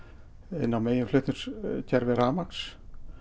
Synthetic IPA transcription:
ɪ̰nːawmeːjɪmflʏht̪ʏnscʰɛɾvɪɾaːmaks

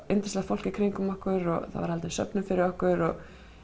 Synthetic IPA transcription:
ent̪ɪ̥slaɣfowl̥cɪkʰɾɪŋkʏmɔhkʏɾɔ̰ɣθa̰vaɾhalt̪ɪnsœ̰pnʏmfɪɾɪɾɔhkʏɾɔɣ

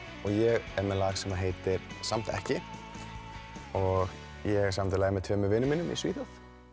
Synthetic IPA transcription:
ɔɣjɛɣɛɾmɛlaːɣsɛmaɦeːjt̪ɪɾ̥sam̥t̪ɛ̰hcɪ | ɔɣ | jɛɣsamt̪ɪlaːɣɪmɛðt̪ʰvœːmʏvɪnːʏmɪnːʏmḭsviːθaθ

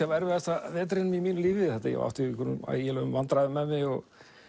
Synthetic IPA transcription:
avɛɾvɪðɛht̪avɛːt̪ɾɪnmimiːnʏliːvɪθɛht̪ajɛ̰va̰wht̪ɪkʰɔɾnʏma̰jɛlœʏmvant̪ɾaðɪmɛðmɪɔɣ

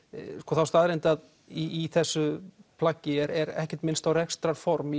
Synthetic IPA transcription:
skɔːθawst̪aːðɾent̪að | iːθɛsːʏpʰlacːɪɛɾɛɾɛ̰hcɛ̥ɾ̥t̪mɪnst̪awrɛkst̪ɾaɾ̥fɔɾmi

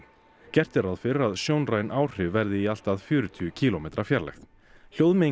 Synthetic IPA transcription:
cɛr̥t̪ɛɾaðfɪɾɾaðsjoːwnraːjnʔaːwr̥ʏvvɛɾðɪial̥t̪aðfjʏːɾʏt̪ʰʏʏcʰiːlɔmejt̪ɾḁfjaɾlɛ̰xθ | l̥jowðme

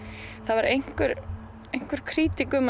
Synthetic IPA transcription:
θaðvaɾejŋ̥kʏɾ | ejŋ̥kvʏɾ̥kʰɾiːt̪ikʏm

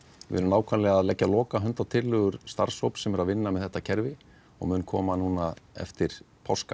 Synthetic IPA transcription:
vɪ̰ʏɾʏmnaːwkʰvanlɛɣaðlɛcːalɔːkaɦʏnt̪awt̪ʰɪlːʏɣʏɾ̥st̪a̰ɾ̥showpsɛmɛɾaðvɪnːamɛðθɛht̪ːacʰɛɾvɪ | ɔ̰ɣmʏːnkʰɔ̰ːmanuːnaɛ̰ft̪ɪɾ̥ | pʰawska̰

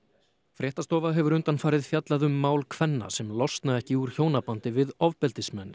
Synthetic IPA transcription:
fɾjɛːht̪ast̪ɔːvaðɦɛvʏɾʏnt̪anfaːɾɪðfjat̪laðʏmːaːwlkʰvɛnːa̰sɛmlɔst̪naðɛhcɪuɾ̥çoːwnapant̪ɪvɪðɔvpɛlt̪ɪsmɛnː

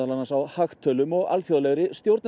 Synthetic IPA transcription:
alanːasawhaxt̪ʰœːlʏmɔɣa̰lθjoðlɛɣɾɪst̪jowɾt̪n

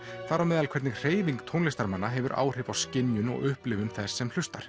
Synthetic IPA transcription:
θaɾawmɛːðalkʰɛɾt̪nɪɣr̥eːjviŋk̚t̪ʰownlɪst̪aɾmanːaɦɛvʏɾʔa̰ːwr̥ɪvawscɪnjʏnɔ̰ɣʏhplɪvʏnθɛsːɛml̥ʏst̪aɾ̥

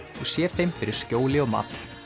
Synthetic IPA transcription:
ɔsjɛɾ̥θejmfɪɾɪɾ̥scoːwlɪɔma̰t̪l̥

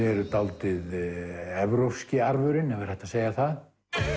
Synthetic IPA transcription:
ɛɾʏt̪awlt̪ɪðɛvɾofscɪaɾvʏɾɪnɛvaɾ̥hɛht̪aseːjaθað

